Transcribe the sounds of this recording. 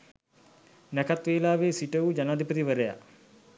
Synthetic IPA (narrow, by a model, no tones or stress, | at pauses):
nækat̪ʋeːlaːʋeːsiʈəud͡ʒanaːd̪ʱipət̪̬iʋəɾəja̰